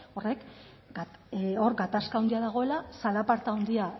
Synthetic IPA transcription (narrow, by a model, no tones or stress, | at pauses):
o̞rek | ɡo̞ɾɡat̪askawnd̪iaðaɣ̞o̞e̞lasalapaɾt̪aond̪ia